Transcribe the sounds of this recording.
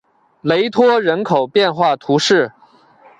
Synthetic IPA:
le˧˥ɪt̪ʰwɔ˥ɻə˧˥nkʰo˨˩ʊpjɛ˥˧nxwa˥˩t̪ʰu˧˥ʂɻ̩˥˩

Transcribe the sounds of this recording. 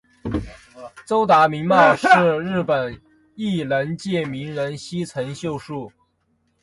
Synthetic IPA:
t͡so˥ʊt̪a˧˥mi˧˥ŋma˥˧ʂɻɻ̩˥˧ɻɻ̩˥˩pə˨˩n | i˥˩lə˧˥nt͡ɕjɛ˥˩mi˧˥ŋɻə˧˥nɕi˥t͡sʰə˧˥ŋɕjo˥˧ʊʂu˥˩

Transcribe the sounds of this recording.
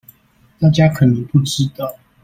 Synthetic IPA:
t̪a˥˩t͡ɕja˥kʰə˨˩nə˧˥ŋpu˥˩ʈ͡ʂɻ̩˥t̪ɑ˥˩ʊ

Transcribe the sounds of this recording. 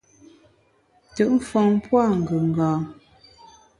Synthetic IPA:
tə˨ʔm̩˦fɔ˨ŋpwa˦˨ŋ̩˨ɡə˨ŋ̩˨ɡãː˨

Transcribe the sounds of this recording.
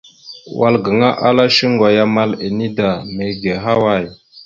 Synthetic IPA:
wʔa˨lɡə˨ŋa˦ʔa˦la˦ʃi˦ŋɡa˨ja˦ma˦le˨ni˦da˨me˨ɡe˨ɦa˦wa˦˨j

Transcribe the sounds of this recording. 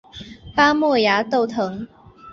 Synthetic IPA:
pa˥mwɔ˥˩ja˧˥t̪o˥˩ʊt̪ʰɤ˧˥ŋ

